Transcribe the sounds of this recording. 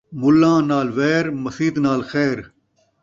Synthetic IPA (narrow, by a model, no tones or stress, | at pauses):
mʊlːãːnaːlʋeːɾmɐsiːd̪naːlxeːɾ